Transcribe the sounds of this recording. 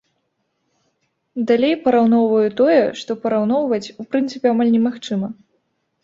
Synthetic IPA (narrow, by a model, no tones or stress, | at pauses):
d̪alʲejpɐɾawnɔwvɐjɛt̪ɔjɛʂt̪ɔpɐɾawnɔwvɐt͡sʲupɾɨnt̪sɨpʲɛamalʲnʲɛmaxt͡ʂɨmɐ